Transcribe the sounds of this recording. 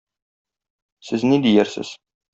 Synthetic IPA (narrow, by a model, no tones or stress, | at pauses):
sɘznid̪ijæɾsɘ̰z̥